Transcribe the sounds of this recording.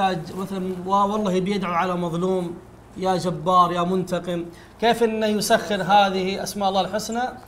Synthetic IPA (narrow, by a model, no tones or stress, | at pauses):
aːd͡ʒmaθlanwawɑlˤːɑːhibjɪd̪ʕaʕalamɑðˤluːm | jaːd͡ʒabːɑːɾˤjamʊnt̪aqɪm | keːfʔɪnːajʊsaxːɪɾɦaːðɪhiʔa̰smaːʔlˤːɑːlħʊsna